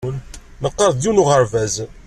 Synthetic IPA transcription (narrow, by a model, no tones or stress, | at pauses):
nnəqːɑɾðˤjunuʁəɾvæz